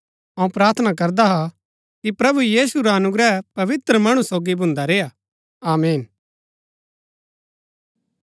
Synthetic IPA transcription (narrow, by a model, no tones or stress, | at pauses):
ɐ̃ũpɾaːɾt̪ʰnak̬ɐɾd̪aɦa | kipɾɐbujiːsuɾaɐnʊɡɾɛpɐʋɪt̪ɾəmɐɽ̃ũsoːɡibʱʊ̃nd̪aɾeːja | aːmeːn